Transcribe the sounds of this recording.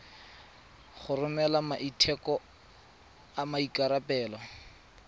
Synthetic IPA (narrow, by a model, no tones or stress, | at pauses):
χʊrʊmɛlamaʔitʰɛkɔ | amaikaɾapɛːlɔ